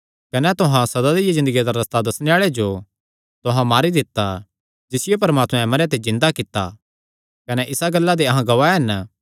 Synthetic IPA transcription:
kɐnɛt̪ʊɦãsɐd̪ad̪ijezɪ̃nd̪əɡijad̪aɾɐst̪ad̪ɐsneaːɭed͡ʒo | t̪ʊɦãmaːɾid̪ɪt̪ːa | d͡ʒɪsɪjepɐɾəmaːt̪mɛ̃mɐɾjat̪̬ezɪ̃nd̪akɪt̪ːa̰ | kɐnɛʔɪsaɡɐlːad̪eɐɦãɡɐʋaːɛɦɐn

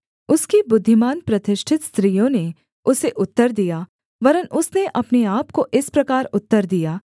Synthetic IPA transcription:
ʊskibʊd̪ʱːɪmaːnpɾɐt̪ɪʃʈʰɪt̪st̪ɾiːjõne | ʊseʔʊt̪ːəɾd̪ijaː | ʋɐɾənʔʊsneʔɐpneaːpkoʔɪspɾɐkaːɾʊt̪ːəɾd̪ijaː

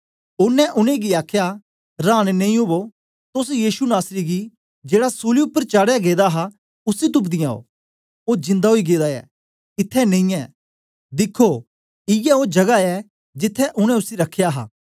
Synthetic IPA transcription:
ʊnːɛ̃ʔʊnẽɡiaːkʰja | ɾãːɽ̃nẽĩobo | t̪ʊsjiːʃunaːsɾiɡi | d͡ʒeːɽasuːliʊpːəɾt͡ʃaːɽjaɡeːd̪aɦa | ʊsit̪̬ʊp̬d̪ɪ̃jãːo̰ | oːd͡ʒɪ̃nd̪aɦoiɡeːd̪aɛ̰ | ɪt̪ʰːɛnẽĩɛː | d̪ɪkʰːo | ɪjɛod͡ʒɐɡaɛ | d͡ʒɪt̪ʰːɛʔʊɽ̃ɛ̃ʊsiɾɐkʰːjaɦa̰ː

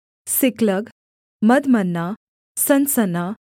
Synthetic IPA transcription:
sikləɡ | məd̪mənːa | sɐnsəna

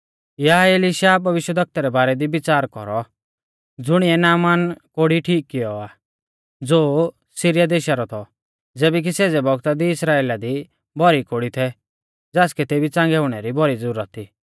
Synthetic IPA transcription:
jaɦaeːliʃaːbʱɐʋɪʃwəd̪ɐk̚t̪aɾɛbaːɾɛd̪ibɪt͡saːɾkɔɾɔ | d͡zʊɽ̃ɪɛnaːmaːnkoːɽiʈʰiːkːɪjɔaː | d͡zoː | siɾɪjad̪eːʃaɾɔt̪ʰɔ | d͡zeːbɛk̬isɛd͡zɛbʱɔɡt̪ad̪iɪsɾaːeːlad̪i | bʱɔɾikoɽit̪ʰɛ | d͡zaːskɛt̪ebʱit͡sãːŋɡɛʊɽ̃ɛɾibʱɔɾid͡zuɾət̪ʰːiː

